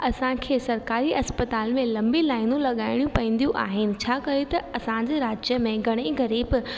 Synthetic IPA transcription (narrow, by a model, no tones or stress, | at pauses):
ɐsãkʰeːsɐɾkaːɾiʔɐspət̪aːlmẽlɐ̃mbilaːɪnũlɐɠaːɪɽ̃jũpɐĩːn̆d̪ijũʔa̰ːɦɪnɪ̆t͡ɕʰaːkɐet̪ɐɐsãd͡ʑeːɾaːd͡ʑjəmẽɡʱɐɽ̃eɡɐɾiːb